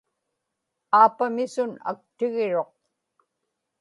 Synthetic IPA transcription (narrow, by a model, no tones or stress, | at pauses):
aːpamɪsʊna̰k̚t̪ɪɣɪɻo̞q̚